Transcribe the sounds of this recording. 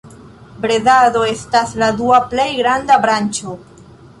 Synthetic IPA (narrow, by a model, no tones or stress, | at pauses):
bɾedado̞e̞stasladuaple̞jɡɾandabɾant͡ʃo̞